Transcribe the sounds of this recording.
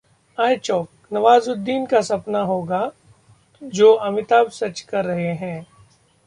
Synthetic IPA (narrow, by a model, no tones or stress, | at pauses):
aːjt͡ʃɔːk̚ | nɐʋaːzʊd̪ːiːnkasɐpnaɦoːɡa | d͡ʒoːʔɐmɪt̪aːbsɐt͡ʃkɐɾːɐɦeɦɛ̃ː